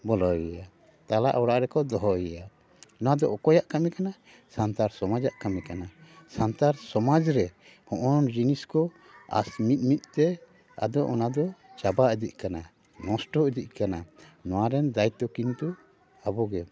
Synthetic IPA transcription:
bɔlɔɛja | t̪ala̰ʔɔwɽaʔɾɛkɔd̪ɔɦɔjɛja | nɔwad̪ɔʔɔkɔjaʔkamɛkana | sant̪aɾsɔmad͡ʒaʔkamɛkanasant̪aɾsɔmad͡ʒɾɛ | hɔ̃ʔɔnd͡ʒiniskɔ | a̰smit̪̚mit̪̚ˀt̪ɛ | a̰d̪ɔʔɔnad̪ɔt͡ʃabaʔɛd̪ic̚ˀkana | nɔ̃sʈɔɛd̪ic̚kananɔwaɾɛnd̪ajt̪ɔkint̪u | abɔɡɛ

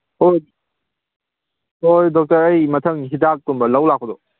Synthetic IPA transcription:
oj | ojdɔk̚tɐɾɐjmɐtʰɐŋɦitak̚tunbɐlɐwlakʰːɔdɔ

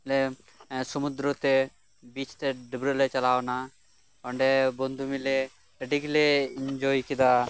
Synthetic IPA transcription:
le | sɔmud̪ɾɔt̪e | bit͡ʃʰt̪eɖibɾolet͡ʃɐlaːwna | ɔɳɖebɔnd̪ʱumile | eɖikleind͡ʒɔjkid̪a

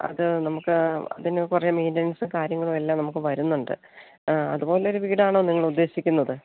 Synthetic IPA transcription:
ɐ̰ðɨnɐmukːɨɐ̰ðinkurɐumiːndɐnsɨkaːɾjɐŋːɐɭumelːaːmnɐmukːɨʋɐɾunːuɳɖɨ̰ | ɐ̰ðubo̞ːleo̞ɾuʋiːɽaːɳo̞ːniŋːɐɭud̪ːe̞ːɕikʲːunːɐðɨ

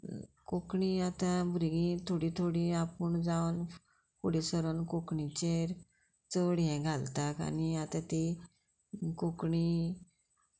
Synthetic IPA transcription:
kokɳiat̪abʱuɾɡĩt̪ʰoɽit̪ʰoɽiapəɳd͡zawn | fuɽesəɾənkokɳit͡ɕeɾ | t͡səɽjɛ̃ɡʱalt̪aka̰niat̪ãt̪i | kokɳi

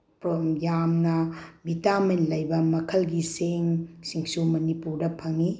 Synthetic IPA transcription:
pɾomjamnɐbʱitamenlɐjbɐmɐkʰɐlɡiseŋsiŋsumɐnipuɾdɐpʰɐŋi

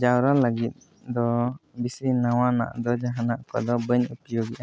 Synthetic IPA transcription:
d͡ʒawɾaləɡit̪̚ | d̪ɔbisɾinawana̰ʔd̪ɔd͡ʒaɦanaʔkɔ̰d̪ɔbəɲupijɔɡiʔa

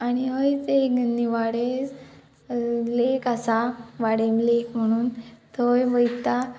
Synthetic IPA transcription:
aɽ̃iɦəjteɡənd̪iʋaɽed͡z | lekasaʋaɽemlekm̤əɽ̃uːnt̪əjʋəjt̪a

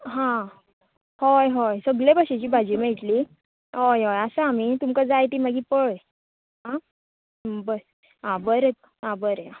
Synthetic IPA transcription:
ɦã | hojɦojsəɡɭebəɕet͡ɕiːbʱad͡ʑimeɭʈli | ɦojɦojasəamit̪umkad͡zajt̪iːmaɡiːpəɭ | ɦã | bə | ɦãbəɾet̪ | ɦãbəɾeã

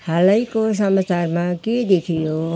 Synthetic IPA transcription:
haləikosəmat͡ʃaɾmãked̪ekʰijo

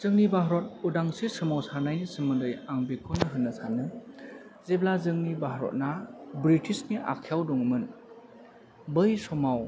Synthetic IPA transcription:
z̥ɯŋnibaɦɾɔt̚udaŋsisɯmawsanajnisɯmɯndɯjaŋbekʰonɯɦɯnːɐsanɯ | zeblazɯŋnibaɦɾɔ̰t̚nabɾitisniʔa̰kʰːijawduŋmɯn | bɯjsɔmaw

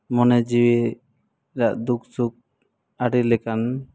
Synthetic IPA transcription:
mɔnɛd͡ʒiwi | ɾaʔd̪uksuk̚ | aɖilɛkan

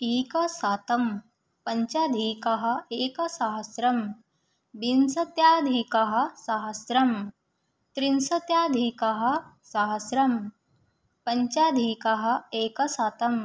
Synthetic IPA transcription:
iːkɐsaːt̪ɐm | pɐɲt͡ʃaːd̪ʱiːkɐɦɐ̆eːkɐsaɦɐsɾɐm | binsɐt̪jaːd̪ʱiːkɐɦɐ̆saɦɐsɾɐm | t̪ɾinsɐt̪jaːd̪ʱiːkɐɦɐ̆saɦɐsɾɐm | pɐɲt͡ʃaːd̪ʱiːkɐɦɐ̆eːkɐsaːt̪ɐm

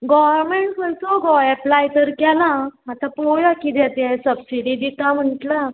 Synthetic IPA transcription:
ɡɔʋəɾmeɳʈkəlsɔɡɔjɛplajt̪əɾkalãat̪apojakid̪ɛt̪esəbsiɽid̪it̪am̤əɳʈla

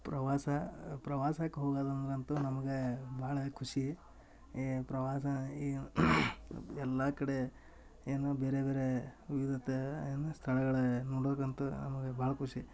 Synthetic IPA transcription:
pɾɐʋaːsɐpɾɐʋaːsakːeɦoːɡaːd̪ɐnd̪ɐɾɐnt̪unɐmɐɡebʱaːɭɐkʰuʂi | pɾɐʋaːsɐi | ɛlːakɐɽe | eːnube̞ːɾebeːɾeʋiʋid̪ʱɐt̪ːenːust̪ʰɐɭɐɡɐɭenoːɽokɐnt̪unɐ̰mɐɡebʱaːɭɐkʰuʂi

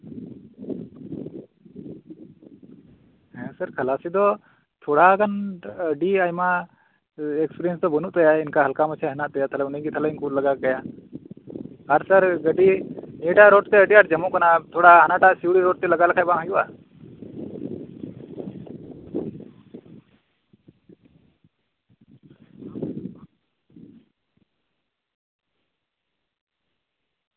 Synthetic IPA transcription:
ɦɛ̃səɾkʰəlasid̪ɔ | t̪ʰɔɽaɡanɖiajma | ɛkspiɾijɛnsd̪ɔbənuʔt̪ajainkaɦəlkamət͡ʃʰaɦɛnaʔt̪ɛjat̪ʰalɛunəjɡit̪ʰalɛinkuləɡakaja | aɾsəɾɡəɖieʈaɾoːʈt̪eəʈiaɾd͡ʒɐmuʔkənat̪ʰoːɽaanaʈaʔsiwɽiɾoːʈ̚t̪eləɡalɐkʰajbãŋɦə̃jua̰

